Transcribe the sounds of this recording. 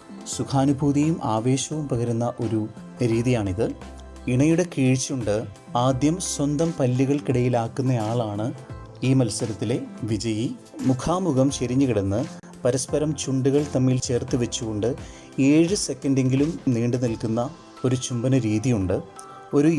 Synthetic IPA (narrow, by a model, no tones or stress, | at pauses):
sukʰaːnubʱuːðijumʔaːʋe̞ːɕɐʋumpɐɣɐɾunːɐʔo̞ɾu | ɾiːðijaːɳiðɨ | iɳɐjuɽe̞kiːɻt͡ɕːuɳɖɨ | aːd̪jɐmswɐnd̪ɐmpɐlːiɣɐɭkiɽɐjilaːkːunːɐjaːɭaːɳɨ | iːmɐlsɐɾɐt̪ːile̞ʋid͡ʑɐji | mukʰaːmuɣɐmt͡ɕeɾiɲːuɣiɽɐnːɨ | pɐɾɐspɐɾɐmt͡ɕuɳɖuɣɐɭt̪ɐmːiːlt͡ɕe̞ːrt̪ːiʋɐt͡ɕːuɣo̞ɳɖɨ | e̞ːɻɨse̞kːɐnde̞ŋɡilumniːɳɖɨnilkunːɐ | o̞ɾut͡ɕumbɐnɐɾiːðijuɳɖɨ | o̞ɾu